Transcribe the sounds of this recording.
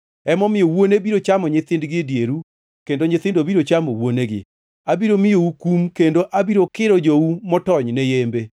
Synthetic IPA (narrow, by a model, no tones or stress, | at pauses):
ɛmɔmɪjowonebiɾot͡ʃamɔɲɪt̪ɪndɡɪdjeɾu | kendoɲɪt̪ɪndobiɾot͡ʃamowoneɡɪ̰ | abiɾomɪjoukumkendoʔabiɾokɪɾɔd͡ʒoumɔtɔɲnɛjembe